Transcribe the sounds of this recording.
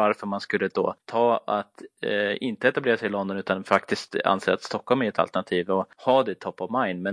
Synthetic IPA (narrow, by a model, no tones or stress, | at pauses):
aɾfœɾmanskɵlːəd̪o̰ːt̪ʰɑːat̪ɪnt̪əɛt̪ableːɾasɛɪɪlɔnd̪ɔnʉ̟ːt̪anfakt̪ɪst̪a̰nseːɾat̪st̪ɔkːhɔlmɛɛt̪ʰa̰t̪əɳat̪ʰiːvɔhɑːd̪ɛt̪ʰɔpːɔvmajnmɛ